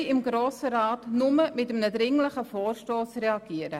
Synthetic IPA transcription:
ɪmɡɾoːsəɾɑːtnʊməmɪtəmənədɾɪŋləχəfoːrʃtoːsrɛɑɡ̥iːəɾə

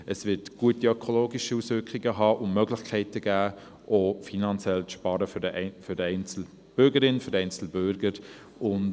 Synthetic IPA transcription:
əsvɪtɡ̥uətiœkʰoloːɡiʃiusvʏɾkʰχiɡəɦɑːʔʊnmœɡlɪxkʰɛɪtəɡ̥æː | ʔoːfinɑnt͡sjɛlt͡sʃpɑːɾəffødɛɪnt͡sl̩ | b̥ʏɾɡəɾɪnføɾɛɪnt͡sl̩bʏɾɡəɾ | ʊn

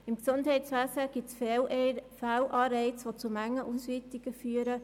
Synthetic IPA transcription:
ɪmksʊndhɛɪtsʋæːsəɡ̥ɪsf | fawʔɑːɾɛɪt͡sʋot͡sumæŋːəʔusʋitiɡ̥əfyːəɾə

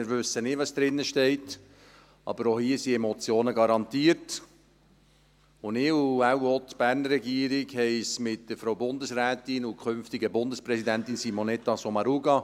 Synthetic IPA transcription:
ɪɾvʉsːənɪʋɑsd̪̥ɾɪnːəʃtɛɪt | ɑ̰b̥əɾohiːsiemot͡sjoːnəɡɑɾɑntiːət | ʊnɪːuawotb̥æːrnərɾːɛɡiːəɾɪɡhɛɪsmɪt̚d̥əfɾoʊbʊndəsɾæːtɪnʊkʰʏnftɪɡəbʊndəspɾɛsidæntɪnsimonɛtɑsomɑɾuɡɑ

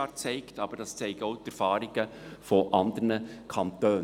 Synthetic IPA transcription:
ɑːɾt͡sɛɪktɑb̥əɾd̥ɑst͡sɛɪɡɔʊtɛɾfɑːɾɪɡ̥əfɔʔɑnd̪əɾnəkʰɑntøː

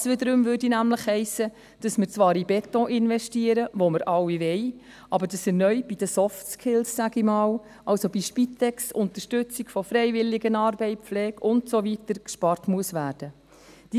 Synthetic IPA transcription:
sʋɪdəɾømvʏːɾdinæmləχhɛɪsə | d̥ɑsməɾt͡sʋɑːɾibɛtɔ̃ʔɪnvɛʃtiəɾəvoməɾʔɑwːiʋɛɪ | ɑbəɾdɑsɛnœʏb̥id̥əsɔftskʰɪlsːæɡimɑːl | ʔɑlsobiʃpitɛksʊnt̪əʃtʏt͡siɡfɔfɾɛɪvɪlːɪɡənɑːɾbɛɪflɛːɡʊntsovitəɾkʃpɑrtmuəsʋæːɾd̥ə | d̥i

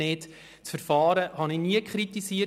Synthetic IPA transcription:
eːt | t͡sfəɾfɑːɾəhɑnɪniəkχɾit̪isiə

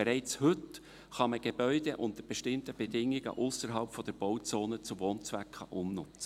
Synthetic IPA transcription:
ɛɾɛɪt͡shɵt | χɑməɡ̥eb̥œʏd̥eʔʊnt̪əɾb̥ɛʃtɪmtəb̥edɪŋːɪɡə̰ʔʊsəɾɦɑlpfɔd̥əɾb̥oʊt͡soːnət͡sʊʋoːnt͡svækχɑʔʊmnʊt͡sə

